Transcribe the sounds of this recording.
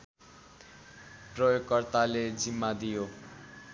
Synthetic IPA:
prʌjoɡʌrt̪aled͡zimːad̪ijo

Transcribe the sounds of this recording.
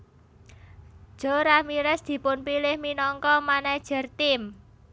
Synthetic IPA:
ʒ̥o̤ɾamiɾɛsd̪̥i̤pʊnpilɪhminɔŋkɔmanḁʒ̥ə̤rt̪ɪm

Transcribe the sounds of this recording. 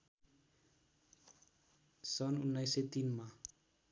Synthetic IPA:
sɔnunajset̪inma

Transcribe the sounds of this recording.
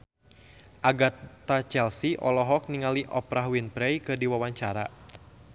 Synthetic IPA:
ʔaɡat̪at͡ʃɛlsiʔɔ̰lɔɦɔk̚niŋaliʔɔpɾaɦwinpɾɛjkɨrdiwawaɲt͡ʃaɾa

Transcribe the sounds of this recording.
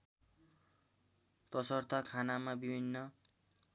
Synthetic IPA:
t̪ʌsʌrt̪akʰanamabibʱinːʌ

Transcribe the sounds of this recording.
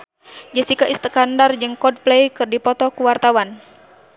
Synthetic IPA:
d͡ʒəsikaʔist̪əkandard͡ʒɨŋkɔd̚plɛjkɨrdipɔt̪ɔkuwart̪awan

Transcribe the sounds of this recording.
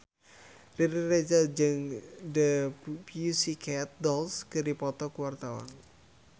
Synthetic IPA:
riɾired͡ʒad͡ʒɨŋdəpjusikʰɛt̪̚dɔlskɨɾipɔt̪ɔkuwart̪awa̰n

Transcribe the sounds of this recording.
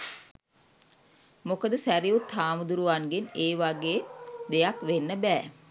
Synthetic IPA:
mokəd̪əsæɾiut̪haːmud̪uɾuʋanɡeneːʋaɡeːd̪ejakʋenːəbæː

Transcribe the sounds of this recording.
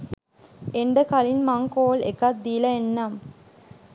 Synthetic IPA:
eɳɖəkalinmaŋkoːlḛkɐt̪̚d̪ilɐenːam

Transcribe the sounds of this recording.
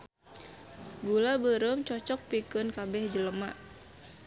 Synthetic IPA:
ɡulabəɾəmt͡ʃɔt͡ʃɔk̚pikənkabɛhd͡ʒələma̰

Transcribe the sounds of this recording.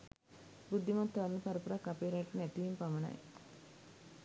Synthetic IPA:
bud̪ʱːimat̪ːʋaɾnəpaɾəpuɾakːapeːɾaʈːənæt̪iʋimpaməna̰j

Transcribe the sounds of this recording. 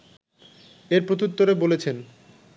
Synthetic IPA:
eɾpɾot̪ʰut̪ːoɾebolet͡ɕʰen

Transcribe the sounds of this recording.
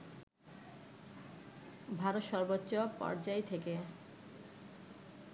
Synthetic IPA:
bʱaɾot̪ʃɔɾbotːɕopɔ̰ɾd͡ʑaet̪ʰeke

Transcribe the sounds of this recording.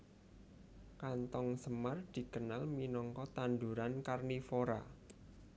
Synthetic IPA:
kant̪ɔŋsəmard̪̥i̤kənalminɔŋkɔt̪and̪uɾankarnifoɾa̰

